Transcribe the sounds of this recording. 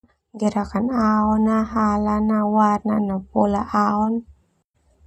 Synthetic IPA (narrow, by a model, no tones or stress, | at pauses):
ɡeɾakanaɔnaɦalanawat̚na̰napolaʔaɔn